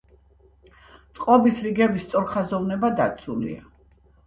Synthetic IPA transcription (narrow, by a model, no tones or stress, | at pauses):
t̪sʼqʼɔbisɾiɡɛbist̪sʼɔɾkχazɔvnɛbad̪at̪sʰulḭa̰